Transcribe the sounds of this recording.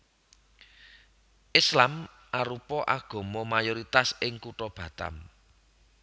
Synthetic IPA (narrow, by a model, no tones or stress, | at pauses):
ʔɪslam | ʔaɾupɔʔaɡ̥ɔ̤mɔmajɔɾit̪asɪŋkuʈɔb̥ä̤t̪a̰m